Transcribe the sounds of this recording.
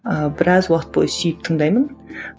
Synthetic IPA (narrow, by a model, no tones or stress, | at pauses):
əbɪɾɑzwɑqət̪̚bo̰jʲsijɪp̚t̪ʰəɴd̪ɑjmən